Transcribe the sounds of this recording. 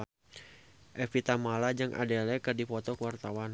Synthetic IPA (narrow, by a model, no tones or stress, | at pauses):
ʔɛfit̪amalad͡ʒɨŋʔa̰dɛlɛkɨrdipɔt̪ɔkəwart̪awan